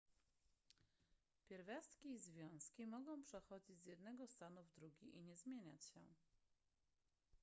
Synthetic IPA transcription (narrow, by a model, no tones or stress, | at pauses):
pʲjɛɾvʲjast̪kʲiːzvʲjɔ̃w̃skʲimɔɡɔ̃w̃pʂɛxɔd͡ʑid͡ʑzʲjɛd̪̚nɛɡɔst̪anuvd̪ɾuɡʲiʔiɲɛzmʲjeɲat͡ɕɕɛ̰